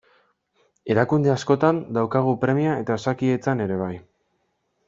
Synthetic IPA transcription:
e̞ɾakund̪easko̞t̪and̪awkaɣ̞upɾe̞miae̞t̪aesakie̞t͡sane̞ɾe̞β̞aj

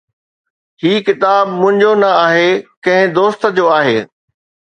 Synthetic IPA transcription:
hiːkɪt̪aːbmʊ̃ɦɪ̃ɲd͡ʑonɐaːɦekɐ̃ɦɪ̃d̪oːst̪ə̆d͡ʑoːaːɦeː

